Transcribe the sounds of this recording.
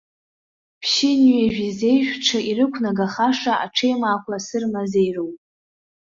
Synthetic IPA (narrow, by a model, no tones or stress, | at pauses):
pʰʃɪnɥeʒᶣize̞jʒᶣʲʷʈ͡ʂʰaiɾɨkʷʰnaɡaχaʂaa̰ʈ͡ʂʰejmaːkʷʰasɨrmazejrowpʼ